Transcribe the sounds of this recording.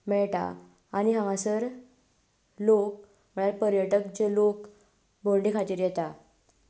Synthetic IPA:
mɛɭʈa̰ | aniɦãŋasəɾ | lok̚ | məɭjaɾpəɾjəʈək̚d͡ʑelok | bʱolɖikʰat̪iːɾjɛt̪a

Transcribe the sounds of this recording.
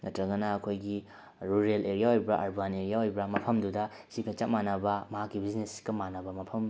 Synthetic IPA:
ŋɐtɾɐɡɐnɐɐkʰojɡi | ɾuɾelʔeɾijaojbɾɐʔaɾbaneɾijaojbɾɐmɐpʰɐmdudɐ | sikʰɐt͡ʃatmanɐbɐmɐɦakːibiznesi̥kɐmanɐbɐmɐpʰɐm

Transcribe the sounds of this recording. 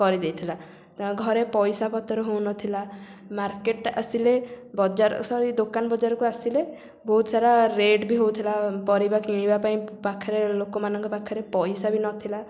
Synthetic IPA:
kɔɾid̪ejt̪ʰila | ɡʱɔɾepɔjsapɔt̪ɔɾɔɦownɔt̪ʰilamaɾkeʈa̰silebɔd͡ʒaɾɔ̰sɔɾid̪okanbɔd͡ʒaɾɔkuasile | bɔɦut̪ɔsaɾaɾeɖbiɦowt̪ʰilapɔɾibakiɽ̃ibapaĩpakʰaɾelokɔmanɔŋkɔpakʰaɾepɔjsabinɔt̪ʰila

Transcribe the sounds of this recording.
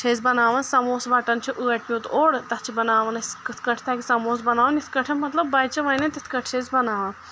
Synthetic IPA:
t͡ʃʰezʲbɐnaːʋɐnsɐmoːsʋɐʈɐnt͡ʃʰiʔɨːɐʈʰmʲit̪oːɽt̪ɐt͡ʃʰibɐnaːʋɐnɐskɨt̪ʰkɐʈʰt̪ʰɐkʲisɐmoːsbɐnaːʋɐnit̪ʰkɐʈʰɐnmɐt̪lɐbːɐjt͡ʃɐʋɐjnɐt̪it̪ʰkɐʈʰt͡ʃʰezʲbɐnaːʋɐn

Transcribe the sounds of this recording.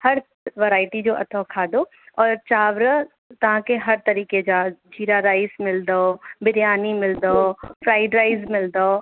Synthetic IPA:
hɐɾ | ʋəɾaːɪʈid͡ʑoːʔɐ̰t̪ʰokʰaːd̪o | ɔːɾt͡ʃaːʋɾə | t̪ɐʋ̤ãkeɦɐɾt̪ɐɾiːked͡ʒaːd͡ʒʱiːɾaɾaːɪsmɪld̪obɪɾjaːnimɪld̪oofɾaːɪɖɾaːɪzmɪld̪o

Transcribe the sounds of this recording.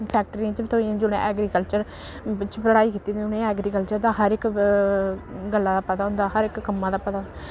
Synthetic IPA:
pʰɛːk̚ʈɾiːãt͡ʃbɪt̪ʰoːiãd͡ʒʊɽḛ̃ʔɛːɡɾiːkəlt͡ʃəɾ | t͡ʃpəɽaːiːkit̪iːʊnẽːɛːɡɾiːkəlt͡ʃəɾd̪aːɦəɾɪk | ɡəlːaːd̪aːpət̪aːɦʊ̃nd̪aːɦəɾɪkːəmːãːd̪aːpət̪aːɦnd̪a

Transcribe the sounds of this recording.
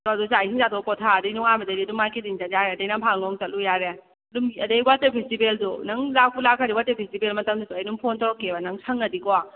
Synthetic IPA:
doadusajsiŋzatʰɔkɔtʰaːdɐjnuŋabɐdɐɾiɐdumakediŋzajaɾɐdɐjnapʰaŋnɔŋtɐlujaɾe | dumɡiɐdɐjbatepʰistibeldunɐŋlak̚pulakʰaɾiwatepʰistibelmɐtɐmdusuɐjnuŋpʰontɔɾɔkːebɐnɐŋsʰɐŋɐdikɔa

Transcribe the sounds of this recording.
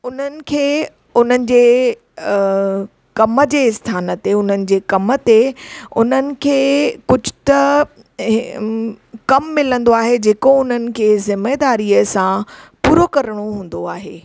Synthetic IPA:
ʊn̤ənɪ̆kʰeː | ʊn̤ənɪ̆d͡ʑeː | kɐmə̆d͡ʑeːɪst̪ʰaːnət̪eʊn̤ənɪ̆d͡ʑeːkɐmə̆t̪eʊn̤ənɪ̆kʰeːkʊd͡ʑʱʊ̥t̪ɐ | kɐmːɪlə̃nd̪oaːɦed͡ʑeːkoʊn̤ənɪ̆kʰeːzɪmed̪aːɾiəsãpuːɾokɐɾɽ̃oɦũːn̆d̪oaːɦḛː

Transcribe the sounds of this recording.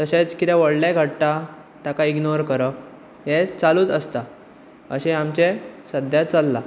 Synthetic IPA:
t̪əɕet͡skit̪ɛʋəɽleɡʱəɽʈ̪a | t̪jakaiɡnoɾkəɾək | ɦet͡saluːt̪əst̪a | əɕeamt͡ɕesəd̪ʱjat͡salːa

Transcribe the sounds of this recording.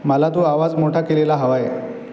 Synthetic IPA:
məlat̪oaʋad͡zmoʈʰakelelaɦəʋaje

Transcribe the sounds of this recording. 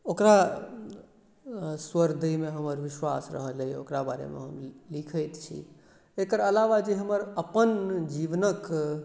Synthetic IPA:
okɾa | swəɾd̪əjmeɦəməɾʋiʃwasɾə̰ɦələjokɾabaɾḛmḛɦəmlikʰəjt̪t͡ʃʰḭ | ekəɾəlaʋad͡ʒeɦəməɾəpənd͡ʒiʋnək

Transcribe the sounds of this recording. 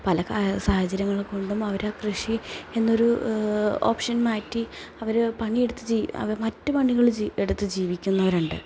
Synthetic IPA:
pɐlɐksaːhɐd͡ʑɐɾɐŋːɐɭko̞ɳɖumɐʋɐɾaːkrɨʂie̞nːo̞ɾu | o̰ːpʂɐnmaːjtːi | ɐʋɐɾpɐɳie̞ɽut̪ːɨd͡ʑiɐ̰ʋɐmɐtːɨpɐɳiɣɐɭeɽut̪ːɨd͡ʑiːʋikʲːunːɐʋɐɾuɳɖɨ̰

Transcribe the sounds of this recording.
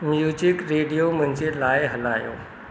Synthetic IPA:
mjuːd͡ʑɪkɾeːɖijomʊ̃ɦɪ̃ɲd͡ʑelaːɪɦɐla̰ːjo̰ː

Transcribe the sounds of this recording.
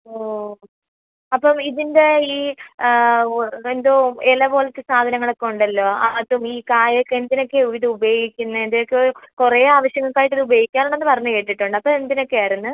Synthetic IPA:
oː | ɐpːɐmiðinde̞iː | end̪oːelɐbo̞ːlet̪ːɨsaːd̪ʱɐnɐŋːɐɭekːuɳɖɐlːo̞ːaːt̪ːumiːkaːjɐkːend̪ino̞kːeuʋiðɨubejɡikʲːunːɨend̪iokːekure̞ːaːʋɐɕjɐŋːɐɭkaːjiʈːilɨubɐɡikʲːaːnoɳːenːɨpɐrɐɲːuke̞ːʈːiʈːuɳɖɨɐpːoend̪ino̞kːeaːɾunːɨ

